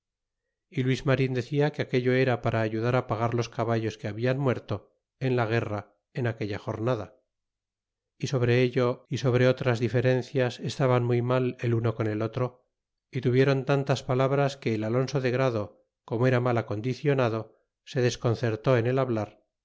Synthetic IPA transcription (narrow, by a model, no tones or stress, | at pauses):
ilwizmaɾind̪e̞θiakeake̞ʎo̞e̞ɾapaɾaːʝuðaɾapaɣ̞aɾlo̞skaβaʝo̞skeaβianmwe̞ɾt̪o̞ | e̞nlaɣ̞e̞ra | e̞nake̞ʎaxo̞ɾnaða | iso̞β̞ɾe̞eʎoiso̞β̞ɾe̞o̞t̪ɾazðife̞ɾe̞n̟θjase̞st̪aβanmujmale̞luno̞ko̞ne̞lo̞t̪ɾo̞ | it̪uβje̞ɾo̞nt̪ant̪aspalaβɾaske̞ːlalo̞nso̞ðe̞ɣɾaðo̞ | ko̞moe̞ɾamalako̞nd̪iθjo̞naðo̞ | se̞ðe̞sko̞nθe̞ɾt̪o̞e̞ne̞laβlaɾ